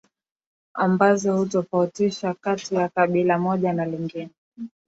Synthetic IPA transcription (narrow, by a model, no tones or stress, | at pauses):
a̰mbazɔhutɔfautiʃakatijakaɓilamɔʄanaliŋɡinɛ